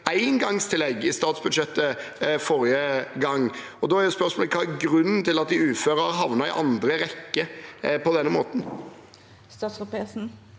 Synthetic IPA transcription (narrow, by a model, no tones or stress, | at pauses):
æɪnɡɑŋst̪ʰɪlɛɡɪst̪ɑːt̪sbʉd̪ʂɛt̪ːəfɔɾɪjəɡɑŋː | ɔd̪ɔæɾjʊspœɾsmoːləkʰɑːæɾɡɾʉnːn̩t̪ɪlɑt̪̚d̪ɪʉːføːɾəɑɦɑʋnɑɪ̰ʔɑ̰nd̪ɾəɾɛkːəpɔd̪ɛnːəmoːt̪n̩ | st̪ɑːt̪sʊpesn̩